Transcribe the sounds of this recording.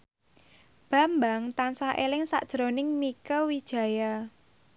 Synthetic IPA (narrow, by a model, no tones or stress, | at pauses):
b̥a̤mbaŋt̪ansahʔḛlɪŋsa̰ʔd̥ʒ̥ɾonɪŋmikəwid̥ʒ̥ä̤ja